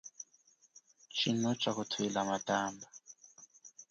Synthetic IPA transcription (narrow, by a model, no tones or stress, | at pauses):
t͡ʃʰinɔt͡ʃʼakʊtʰʊilamatʼaːmba